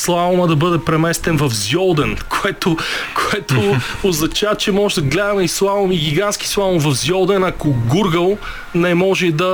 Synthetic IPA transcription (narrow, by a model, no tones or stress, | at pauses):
slˠaomɐd̪ɐbɤd̪ɛpɾɛmɛst̪ɛnvɐfzjɔlˠd̪ɛnkʰoɛt̪okoɛt̪ooznɐt͡ʃavət͡ʃɛmɔʒɛd̪ɐɡlɛd̪ɐmɛislˠavomiɡʲiɡansk̟i̥slˠaomvɐfzʲjɔlˠd̪ɛnɐkʊɡuɾɡəlˠ | nɛmɔʒɛd̪ɐ